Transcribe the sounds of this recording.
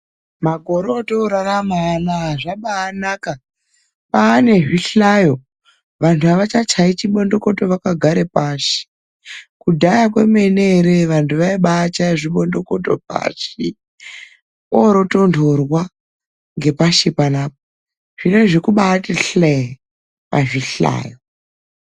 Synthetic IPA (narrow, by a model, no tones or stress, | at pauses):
maɡʱo̞ɾotoɾaramanaɦʐaɓaːnaka | ɓaːne̞ʐiɬajo̞ | ʋantʰuaʋat͡ʃat͡ʃait͡ʃiɓo̞ndo̞ko̞to̞ʋakaɡʱaɾe̞paʃi̥ | kudʱajak̬we̞me̞neɾeʋantʰuʋaiɓaːt͡ʃaʐiɓo̞ndo̞ko̞to̞̰p̚a̰ʃi | oɾo̞to̞ndʰʱorwa | ŋɡe̞paʃipanaːp̚o | ʐ̥ine̞ʐekuɓaːteɬe | paʐiɬa̰ːjo